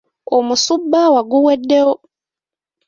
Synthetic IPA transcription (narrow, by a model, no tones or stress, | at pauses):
omusubːawaɡuwɛdːeo